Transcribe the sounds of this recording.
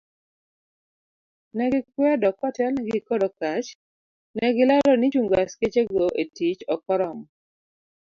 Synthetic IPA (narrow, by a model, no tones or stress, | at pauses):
nɛɡɪk̚wɛdɔkwatɛlnɛɡɪkɔdɔkat͡ʃ | nɛɡɪlɔɾɔnɪt͡ʃuŋɡasket͡ʃeɡoʔetit͡ʃɔkɔɾɔmɔ